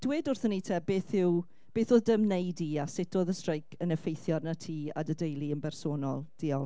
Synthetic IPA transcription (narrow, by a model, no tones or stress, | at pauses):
d̥weːdʊrθəniːtʰeːbeːθɪw | b̥eːθoːðdəmnejdiasɪtʰoːðəstrejkʰənəfejθjɔrnatʰiːa̰dədejlˠiənbɛrsoːnɔlˠd̥iːɔlˠ